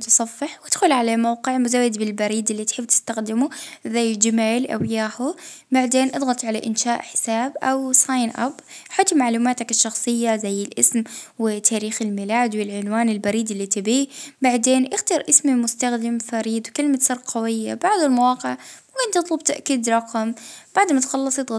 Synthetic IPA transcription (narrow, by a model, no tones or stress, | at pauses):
t̪ɨsˤɑfːɪħwɪd̪̥xʊlʕalamawqɪʕmʊzawːad̪bɪlbaɾiːd̪ɪlːit̪ħɪbt̪ɪ̥st̪axd̪ɪmuzajːd͡ʒɪmaːlʔa̰wjaːhʊbaʕd̪eːnʔɑd̪ˤɣɑt̪ˤʕalaʔɪnʃaːʔħɪ̥saːbʔawsajnʔa̰bħat̪ˤmaʕluːmaːt̪akɪʃːɑxsˤɨjːazajːɪlʔɪsmwɪt̪ʰaːɾiːxɪlmiːlaːd̪wɪlʕʊnwaːnɪlbaɾiːd̪ɪlːit̪ɪbiːbaʕd̪eːnʔɪxt̪ɑɾˤʔɪsmimʊst̪axd̪ɪmfaɾiːd̪wkɪlmat̪sɑɾqqɑwɪjːa̰baʕd̪ʊlmawɑːqɪʕmʊkɪnt̪ːɨt̪ˤlʊb̚t̪aʔkiːd̪ɾˤɑqɑmb̥aʕd̪mat̪xɑlːɑsˤjɨd̪ˤɣɑ